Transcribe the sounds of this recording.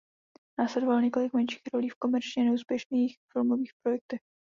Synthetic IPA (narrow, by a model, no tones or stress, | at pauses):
naːslɛdovalɲɛko̞lɪkmɛnʃi̥ːxɾoliːfko̞mɛɾt͡ʃɲɛnɛuːspjɛʃniːxfɪlmoviːxpɾo̞jɛk̚t̪ɛx